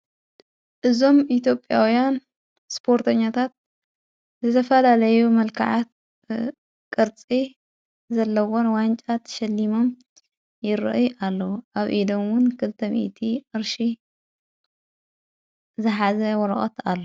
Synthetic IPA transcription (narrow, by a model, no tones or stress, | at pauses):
ʔɨzo̞mit̪jo̞pʼːjawjan | spʰo̞ɾt̪ʰɐɲːat̪ʰat̪̚ | zɨt̪ʰɐfɐlalɐjumɐlkʰa̰ʕat̪̚ | kʼɨɾt͡sʼi | zɐlːɐwonwant͡ʃʼat̪ʰʃɐlːimo̞m | jɪɾɨ̰ʔjʔalːɐwʔaβʔid̪omwʊnkʰɨlt̪ʰɐmḭʔt̪ʰiʔɨɾʃi | zɨħazɐwɔɾɐ̰χʼɐ̰t̪alːo